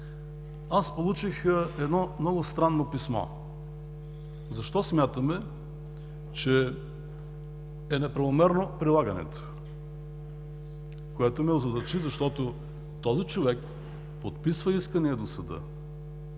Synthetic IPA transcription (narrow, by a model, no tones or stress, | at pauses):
aspolˠut͡ʃixɛd̪nɔmnɔɡʊst̪ɾanːopismɔ̰ | zɐʃt̪ɔsmʲjat̪əmɛ | t͡ʃɛ | ɛnɛpɾɐvomɛɾnopɾilˠaɡənɛ̰t̪o̥ | koɛt̪omɛozɐd̪ɐɾt͡ʃizɐʃt̪ɔt̪o | t̪ɔzit͡ʃovɛk | pot̪̚pisvəiskəniɛd̪osɐd̪ɤ̰